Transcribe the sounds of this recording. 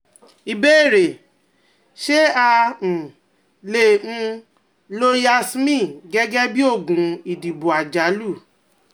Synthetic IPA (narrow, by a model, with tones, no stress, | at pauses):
i˧be˦e˦˨ɾe˨ | ʃe˦ã˧˨ | lẽ˦˨˦ | lo˦ja˧smĩ˦˨ɡɛ˦ɡɛ˦bi˦o˦˨ɡũ˨i˨di˨bu˨a˨d͡ʒa˨˦lu˦˨